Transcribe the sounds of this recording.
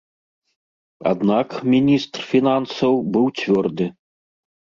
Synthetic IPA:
a̰d̪nakmʲinʲist̪rfʲinansɐwbɨwt͡sʲvʲɔrd̪ɨ

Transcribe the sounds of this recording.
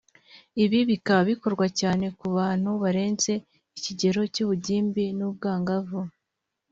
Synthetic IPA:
iβiβikaβiko̞ɾɡwacaːne̞kuβaːn̥huβaɾe̞ːnt͡se̞ | iciɟe̞ɾo̞cuːβuɟiːmbinuːb̚ɡaːŋɡavu

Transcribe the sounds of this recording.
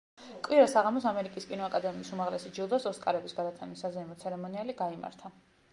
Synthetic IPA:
kʼwiɾasaʁamɔsamɛɾikʼiskʼinɔakʼad̪ɛmiːsumaʁlɛsid͡ʒilˠd̪asɔskʼaɾɛbisɡad̪at̪sʰɛmisːazɛimɔt̪sʰɛɾɛmɔnialiɡaima̰ɾt̪ʰa

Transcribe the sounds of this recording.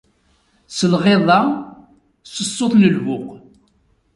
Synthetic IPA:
səlʁeðˤɑ | səsˤːoθˤləlvʊq

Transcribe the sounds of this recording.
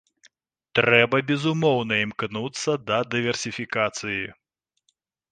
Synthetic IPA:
t̪ɾɛbɐbʲɛzumɔwnɐimknut̪sːɐd̪ɐd̪ɨvʲɛrsʲifʲikat̪sɨji

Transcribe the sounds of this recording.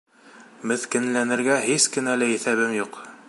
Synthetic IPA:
mɘ̆θkɘ̆nlænɘ̆ɾɡæɦiskɘ̆nælɘiθæβɘmjuq

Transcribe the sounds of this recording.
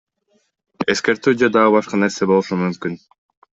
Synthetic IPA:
e̞ske̞ɾt̪yːd͡ʒed̪ɑʁɯbɑʃqɑne̞ɾse̞bo̞lˠuʃumymkyn

